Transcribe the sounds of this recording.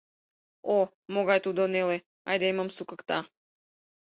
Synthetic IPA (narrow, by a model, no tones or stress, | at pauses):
o | moɣɑjt̪ud̪onele | ɑ̰jd̪eeməmsukəkt̪ɑ